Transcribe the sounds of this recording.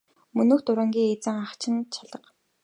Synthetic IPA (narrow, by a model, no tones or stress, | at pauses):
mɵnoːxt̪ʊɾə̆ŋɡʲiːŋet͡sɘ̆ŋaχt͡ɕʰɪ̆nt͡ɕʰaɮə̆q